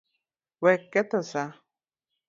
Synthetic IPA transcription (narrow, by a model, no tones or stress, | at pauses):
wɛkːɛt̪ɔsa